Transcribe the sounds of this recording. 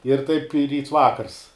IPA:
ɪr ˈtɐɪp ɪ ˈrʲiːts ˈʋɑːkɐrs

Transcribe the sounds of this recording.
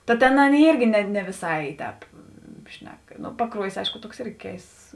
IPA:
tɐ ˈtʲeːn ˈɑːˌnʲeːɪ ˈiːrʲɡʲɪ nʲɛ ˈnʲɛ ʋʲɪˈsɐɪ ˈtʲɛːp ˈʃʲnʲɛk pɐˈkruɔjɪs ˈɐɪʃkʊ ˈtuɔks ˈɪrʲɡʲɪ ˈkʲɛɪsts

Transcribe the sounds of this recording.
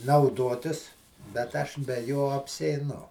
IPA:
nɐʊˈdoːtʲɪs bʲɛt ˈɐʃ bʲɛ ˈjoː ɐpʲsʲiɛɪˈnʊ

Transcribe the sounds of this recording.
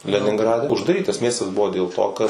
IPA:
lʲɛnʲɪŋˈɡrɑːdʲɛ ʊʒdɐˈrʲiːtɐs ˈmʲiɛstɐs ˈbʊʋoː dʲeːlˠ ˈtoː kɐt

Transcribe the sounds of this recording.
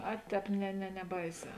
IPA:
ˈɐ ˈtʲɛːp nʲɛ nʲɛ nʲɛˈbɐɪˌsʲɛː

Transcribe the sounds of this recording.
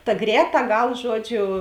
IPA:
tɐ ˈɡrʲɛːˌtɑː ˈɡɐlˠ ˈʒuɔdʲˌʒʲʊ

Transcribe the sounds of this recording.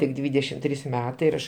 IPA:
tʲɪk ˈdʲʋʲiːdʲɛʃʲɪm ˈtʲrʲiːs ˈmʲæːtɐɪ ɪr ˈɐʃ

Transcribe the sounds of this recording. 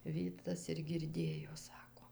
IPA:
ˈʋʲiːtɐs ɪr ɡʲɪrʲˈdʲeːjoː ˈsɑːkoː

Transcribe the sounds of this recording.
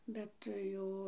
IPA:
ˈbʲɛt ˈjɛʊ

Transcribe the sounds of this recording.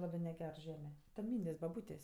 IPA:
ˈlˠɑːbɜ nʲɛˈɡʲɛr ˈʒʲæːmʲɛ tʲɛn ˈmʲiːnʲdʲeːsʲ bɐˈbuːtʲeːsʲ

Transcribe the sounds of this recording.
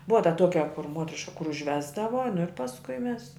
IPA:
ˈbʊʋɐ tɐ ˈtuɔkʲɛ kʊr ˈmuɔtʲrʲɪʃkɐ kʊr ʊʒʲˈʋʲæːzdɐʋɐ nʊ ɪr pɐsˈkʊɪ ˈmʲɛs

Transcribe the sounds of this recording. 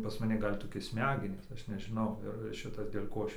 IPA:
pɐs mɐˈnʲɪ ˈɡɐlʲ toːˈkʲɪ ˈsʲmʲæːɡʲɛnʲiːs ˈɐʃ nʲɛʒʲɪˈnɐʊ ɪr ˈʃʲɪtɐs dʲeːlʲ ˈkoː ˈɐʃ

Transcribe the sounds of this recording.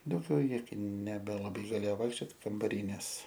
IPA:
dɐʊˈɡʲɛʊ ˈjɪ nʲɛbʲɛlˠɐˈbɐɪ ɡɐˈlʲeːjoː ˈʋɐɪkʃʲt͡ʃʲoːt kɐmbɐˈrʲiː nʲɛs

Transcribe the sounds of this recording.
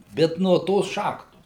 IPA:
ˈbʲɛt nuɔ ˈtoːs ˈʃɑːxtoːs

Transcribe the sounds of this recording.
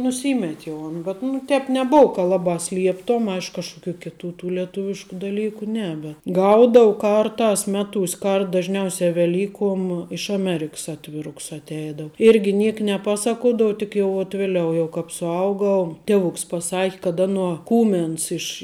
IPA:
nʊˈsʲiːmʲɛtʲ jɛʊ ɐn bʲɛt nʊ ˈtʲɛːp nʲɛˈboːʊ kɐ ˈlˠɑːbɑː ˈsʲlʲiɛptoːm ˈɐɪʃk kɐʃkʊˈkʲuː kʲɪˈtuː tuː lʲɛˈtʊʋʲɪʃkʊ dɐˈlʲiːkʊ ˈnʲɛ bʲɛt ˈɡɐʊdoːʊ ˈkɐrˌtɑːs ˈmʲæːˌtuːsʲ ˈkɐrt dɐʒʲˈnʲɛʊsʲɛ ʋʲɛˈlʲiːkuɔm ɪʃ ɐˈmʲæːrʲɪks ˈɑːtʲʋʲɪrʊks ɐtʲˈɛɪdoːʊ ˈɪrʲɡʲɪ ˈnʲiɛk nʲɛˈpɑːˌsɑːkuɔdɐw tʲɪk jɛʊ ʋɐt ˈʋʲɪlʲɛʊ jɛʊ ˈkɑːp sʊˈɐʊɡɐʊ ˈtʲiɛʋʊks pɐˈsɑːkʲɪ kɐt ˈɑːnuɔ ˈkuːmʲɛns ɪʃ

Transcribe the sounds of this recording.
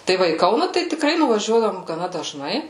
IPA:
tɐɪ ˈʋɐ iː ˈkɐʊnɐ tɐɪ tʲɪkˈrɐɪ nʊʋɐˈʒʲuɔdɐʋoːm ɡɐˈnɐ dɐʒˈnɐɪ

